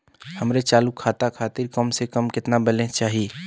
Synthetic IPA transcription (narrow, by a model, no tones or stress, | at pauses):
həmɾet͡ʃaːlukʰːaːt̪akʰaːt̪ɪɾkəmsekəmkɪt̪nabəlẽt͡ʃaːɦi